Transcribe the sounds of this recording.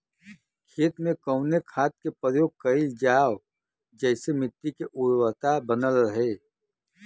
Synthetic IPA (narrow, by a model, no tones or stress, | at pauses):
kʰeːt̪mẽkəʊnekʰaːt̪̚kepəjoːɡ̚kəɪld͡ʒaːw | d͡ʒɛːsemɪt̪ːikeʔʊɾwət̪abənəlɦɛː